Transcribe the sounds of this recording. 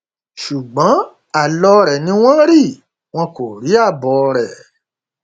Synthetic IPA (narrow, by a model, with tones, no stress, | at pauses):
ʃu˨ɡ͡bɔ̃˨˦ | a˦˨lɔ˧ɾɛ˨nĩ˧w̃ɔ̃˦ɾi˦˨ | w̃ɔ̃˧ko˨ɾi˨˦a˦˨bɔ˨˧ɾɛ˨